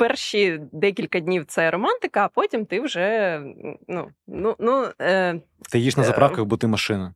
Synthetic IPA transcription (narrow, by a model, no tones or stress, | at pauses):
pɛrʃid̪ɛk̬ʲilʲkɐdʲnʲiwt̪sɛɾɔmɑnt̪ɪkɐːpɔtʲimt̪ɪwʒɛ | nununu | t̪ɪjiʃnɐzɐpɾɑwkɐɣbɔt̪ɪmɐʃɪnɐ